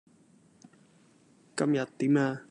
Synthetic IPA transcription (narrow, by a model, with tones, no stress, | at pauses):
kɐ˧mjɐ˨˩t̚t̪ːiː˨˦maː˧